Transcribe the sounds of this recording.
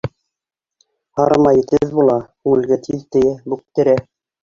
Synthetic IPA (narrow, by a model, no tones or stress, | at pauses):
hɑɾmɑjɘ̆t̪ɘðbulˠɑkʉŋɘ̆lɡæt̪iðt̪ɘ̆jɘbuk̚t̪ɘ̆ɾæ